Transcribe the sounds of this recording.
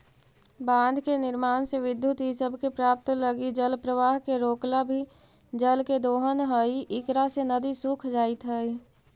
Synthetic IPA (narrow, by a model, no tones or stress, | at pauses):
bãːnd̪ʱkenɪɾmaːnseʋɪd̪jut̪ɦisəbʱkepɾaːp̚t̪ləɡid͡ʒəlpɾəʋaːɦkeɾoːklabʱi | d͡ʒəlked̪oːɦənɦəiʔɪkɾasenəd̪isukʰd͡ʒaːit̪ɦəi